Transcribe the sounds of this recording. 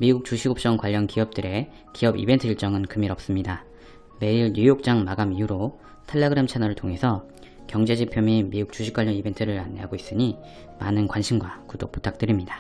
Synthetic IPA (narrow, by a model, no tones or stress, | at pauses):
miɡuk̚t͡ɕuɕʰiɡop̚t͡ɕ͈ʌŋkwaʎːʌnkiʌp̚t͈ɯɾe̞ | kiʌbḭbe̞ntʰɯiɭt͡ɕ͈ʌŋɯnkɯmiɾʌp̚s͈ɯmɲida | me̞iɭɲujok̚t͡ɕ͈aŋmaɡamiuɾo | tʰaʎːeɡɯɾemt͡ɕʰanʌɾɯɭtʰoŋe̞sʰʌ | kjʌŋd͡ʑe̞d͡ʑipʰjomimiɡuk̚t͡ɕ͈uɕʰik͈waʎːʌnibe̞ntʰɯɾɯɾanːeɦa̰ɡois͈ɯɲi | ma̰nɯnkwanɕʰimɡwakudo̰k̚p͈u̥tʰak̚t͈ɯɾimɲidḁ